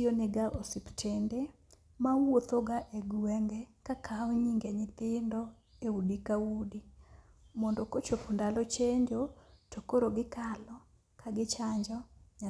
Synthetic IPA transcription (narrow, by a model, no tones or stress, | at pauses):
onɪɡaʔosiptʰende | mawot̪oɡaʔeɡuwɛŋɡɛkakʰaɔɲiŋɡeɲɪt̪ɪndɔ | eudikawudi | mɔndɔkot͡ʃopundalɔt͡ʃeɲd͡ʒotokoɾoɡɪkalɔ | kʰaɡɪt͡ʃaɲd͡ʒɔɲa